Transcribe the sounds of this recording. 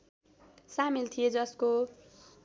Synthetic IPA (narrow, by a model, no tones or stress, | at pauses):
samilt̪ʰijed͡zʌsko